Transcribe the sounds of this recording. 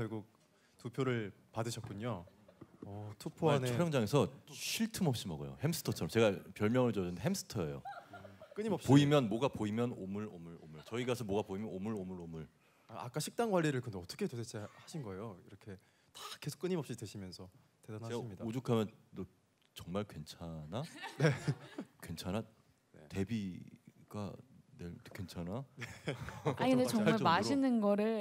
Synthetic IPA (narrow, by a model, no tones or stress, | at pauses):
kjʌɭɡuk̚ | tupʰjoɾɯɭ | padɯɕʰʌt̚k͈uɲo | ʌtʰopʰoaneoɾjʌŋd͡ʑaŋe̞sʰʌɕʰiɭtʰɯmʌp̚ɕ͈imʌɡo̰jo̰hems͈ʰɯ̥tʰʌt͡ɕʰʌɾʌmt͡ɕe̞ɡapjʌɭmjʌŋɯɭd͡ʑʌɯndeɦems͈ʰɯ̥tʰʌḛjo̰ | k͈ɯɲimʌpɕpoimjʌnmwoɡapoimjʌnomɯɭomɯɭo̰mɯɭt͡ɕʌiɡas̬ʰʌmwoɡapoimjʌnomɯɭomɯɾomɯɭ | aa̰k͈aɕʰik̚t͈aŋɡwaʎːiɾɯɭkɯndeʌt͈ʌ̥kʰetotʰet͡ɕʰehaɕʰinɡʌe̞joiɾʌkʰe | tḁkesʰo̥k͈ɯɲimʌp̚ɕ͈ideɕʰimjʌnsʰʌ | tedanaɡimɲidaod͡ʑukʰamjʌndo | t͡ɕʌŋmaɭkwe̞nt͡ɕʰanane̞kwe̞nt͡ɕʰana | nḛte̞biɡ̥a̰nekent͡ɕʰananeainet͡ɕʌŋaɭmaɕʰinɯnɡʌɾɯɭ